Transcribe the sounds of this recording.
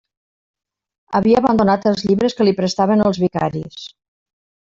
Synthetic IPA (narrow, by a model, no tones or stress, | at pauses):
əβiəaβand̪onat̪əlˠzʎiβɾəskəlipɾəst̪aβənəlˠzβika̰ɾḭs